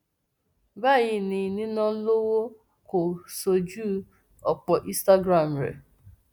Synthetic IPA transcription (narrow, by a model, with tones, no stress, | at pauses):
ba˦˨jɪ˨ni˨nɪ̃˦nɔ˦lo˦wo˦ | ko˨so˨d͡ʒu˦ | ɔ˨k͡pɔ˨ʔi˦sta˦ɡɾa˨m̩˨ɾḛ˨